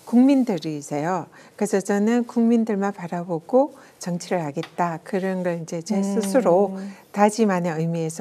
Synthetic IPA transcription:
kuŋmindɯɾiːsʰejo | kɯɾe̞sʰʌt͡ɕʌnɯnkuŋmindɯɭmanpaɾaboɡ̥o | t͡ɕʌŋt͡ɕʰiɾɯɭɦaɡe̞t̚t͈akɯɾʌnɡʌɭind͡ʑe̞t͡ɕesʰɯsʰɯɾotad͡ʑimaneɯjmie̞sʰʌ

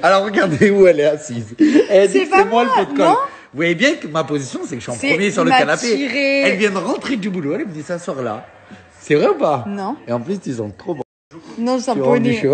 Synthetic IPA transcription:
alɔʁːəɡaʁd̪euɛlɛasized̪iemwaləfot̪kɔl | vuvwajebjɛ̃kəmapozisjɔ̃sɛkəʃiɑ̃pχəmjesyʁləkanapeʁeɛlvjɛ̃d̪əʁɑ̃t̪χed̪ybuloɛlɛməd̪isaswaʁla̰ | sɛvʁɛupanɔ̃eɑ̃plyst̪ysɔ̰̃t̪χobɔ̃ | t̪unɔ̃sãd̪yʃ

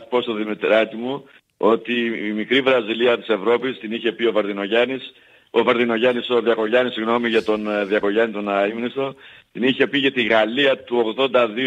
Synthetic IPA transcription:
po̞st̪o̞ðimit̪ɾɐc̪imu | o̞t̪iːmikɾivɾɐziliɐt̪i̥se̞vɾo̞pist̪iniçe̞pio̞vɐɾðino̞ʝɐnis | ovɐɾðino̞ʝɐniso̞ðiɐko̞ʝɐnisiɣno̞miʝɐt̪o̞nðiɐko̞ʝɐnit̪onɐimnist̪o̞t̪iniçe̞piʝɐt̪iɣɐliɐt̪uo̞ɣðo̞nd̪ɐði

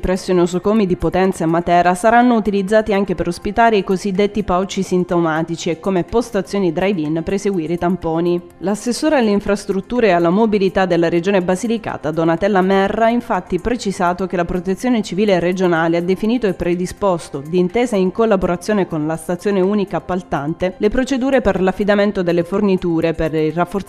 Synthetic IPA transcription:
pɾɛsːonosokoːmid̪ipot̪ɛnt̪saemːat̪ɛːɾasaɾanːout̪ilid̪zːaːt̪iaŋk̟epeɾospit̪aːɾiejkozid̪ːet̪ːipaɔt͡ʃːisint̪omaːt̪it͡ʃiekːomepost̪at̪sːjoːnid̪ɾajvinpɾeseɡwiːɾet̪ampoːni | lasːesːoːɾealːeiɱfɾast̪ɾut̪ːuːɾealːamobilit̪ad̪elːaɾed͡ʒoːnebazilika̰ːt̪ad̪onat̪ɛlːamɛrːaaiɱfat̪ːipɾet͡ʃizaːt̪ok̟elapɾot̪et̪sːjoːnet͡ʃiviːlered͡ʒonaːlead̪ːefiniːt̪oɛpːɾed̪ispost̪od̪iːnt̪eːzaiŋkolːaboɾat̪sːjoːnekonlast̪at̪sːjoːneuːnikaːpːalt̪ant̪elepɾot͡ʃed̪uːɾeperlafːid̪ament̪od̪elːefornit̪uːɾeperirafːo

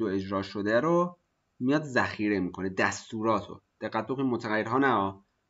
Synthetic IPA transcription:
oe̞d͡ʒɾɒːʃod̪æɾo | mijɒːd̪zæxiːɾe̞miːkʰoned̪æst̪uːɾɒːt̪ʰo̰d̪̥eɣæt̪̚bokʰonimot̪ʰæɣæjːeɾɦɒːnæɒː

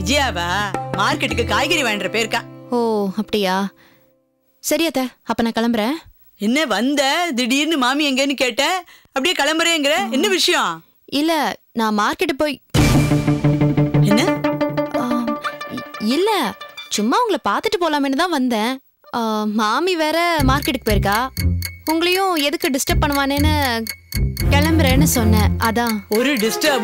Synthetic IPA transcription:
ɪd͡ʒɐjaːʋaːmaːɾkɛʈːɯkːɯkaːjɣɐɾiʋaːɳɾɐpeːɾɯkːãːoːɐpːɐɽɪjaː | sɐɾɪɐt̪ːeːɐpːoːnãːkɐɭɐmbɐɾẽː | ɛnːɛʋɐnd̪ɐd̪ɪɽiɾnɯmaːmiɛŋɡenːɯkeːʈːẽː | ɐpːɐɽɪjeːkɐɭɐmbɐɾẽːɛŋɡɐɾɛɛnːɐʋɪʂɐjõ | ɪlːɛnãːmaːɾkɛʈːɯpoːj | ɛnːɐ | a | ɪlːɛt͡ʃʊmːaːʊŋɡɐɭpaːɾt̪ɯʈːɯpoːlaːmɛnːɯt̪ãːʋɐnd̪ɛ̃ː | maːmiʋeːɾɛmaːɾkːɛʈːɯkːɯpoːjɪɾɯkːaːʊŋɡɐɭɐjʊ̃ɛðɯkːɯɖɪsʈɐp̚ːɐɳːɯʋaːneːnːɯ | kɛɭɐmbɾẽːnːɯsɔnːɛ̃ʔɐðãːɔɾɯɖɪsʈɐɐ

